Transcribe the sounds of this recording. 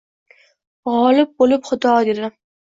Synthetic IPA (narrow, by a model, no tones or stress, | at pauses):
ʁɒlɪp̚bolɪpχʊd̪ɒd̪e̞d̪ɪ